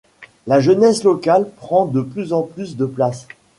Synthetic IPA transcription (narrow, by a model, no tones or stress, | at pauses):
laʒənɛslɔkalpχɑ̃d̪əplyzɑ̃plysd̪əplas